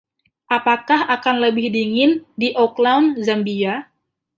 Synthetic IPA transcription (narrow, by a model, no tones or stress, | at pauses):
ʔapakahakanləbɪhdiŋɪndiʔɔklawnzambia